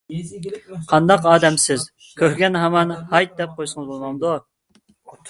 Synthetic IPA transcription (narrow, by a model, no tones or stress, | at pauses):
qʰɑnd̪ɑqɑːd̪ɛmsɪz | kʲʰøɾɡʲɛnɦɛmɑnhɑjt̪̚d̪ɛp̚qʰojsəŋəzbolˠmɑnd̪u